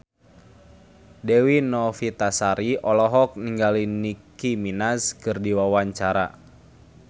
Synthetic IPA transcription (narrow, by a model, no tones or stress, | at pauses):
dɛwinɔfit̪asaɾiɔlɔɦɔk̚niŋɡalinikiminaskɨrdiwawaɲt͡ʃaɾa̰